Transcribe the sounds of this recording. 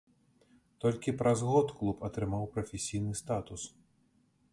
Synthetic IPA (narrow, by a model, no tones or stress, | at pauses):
t̪ɔlʲkʲipɾʔɐzɣɔt̪klˠupɐt̪ɾɨmawpɾɐfʲesʲijnɨst̪at̪us